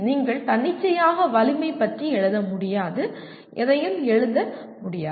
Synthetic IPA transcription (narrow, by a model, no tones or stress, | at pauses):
niːŋɡɐɭt̪ɐɳːɪt͡ʃːɐjaːɣɐʋɐlɪmɐɪpːɐʈriɛɻɯðɐmʊɽɪjaːðɯ | ʔɛðɐjɯmɛɻɯðdɐ | mʊɽɪjaː